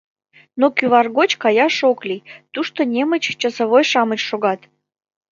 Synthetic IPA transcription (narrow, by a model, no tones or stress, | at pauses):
nokyβɑrɣot͡ɕkɑjɑʃoklʲijt̪uʃt̪onʲemət͡ɕt͡ɕəsoβojʃɑmət͡ɕʃoɣɑt̪